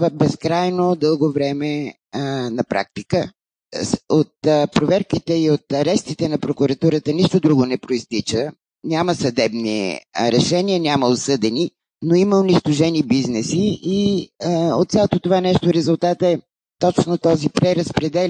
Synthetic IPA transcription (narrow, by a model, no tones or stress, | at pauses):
vəbɛskɾajnod̪ɤlˠɡovɾɛmɛ | nɐpɾa̰k̚t̪ikə | ot̪pɾovɛɾkit̪ɛiot̪ɐɾɛst̪it̪ɛnɐpɾokʊɾɐt̪uɾət̪əniʃt̪od̪ɾuɡonɛpɾoist̪it͡ʃə | nʲaməsɐd̪ɛbnḭɾɛʃɛniənʲaməosɤd̪ɛni | noiməʊniʃt̪oʒɛnibiznɛsii | ot̪sʲalˠot̪ot̪ovanɛʃt̪oɾɛzʊlˠt̪at̪ɛ | t̪ɔt͡ʃnot̪ɔzipɾɛɾəspɾɛd̪ɛl